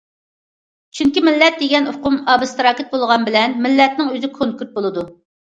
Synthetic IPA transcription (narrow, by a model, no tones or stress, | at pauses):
t͡ʃʰyŋkʲimɪlːɛt̪̚d̪eɡʲɛnoqʊmɑːbɨst̪ɾɑːkʲɪt̪̚bolˠʁɑnbɪlɛnmɪlːɛt̪̚nɪŋøzɪkʰonkʲyt̪̚bolˠɨd̪u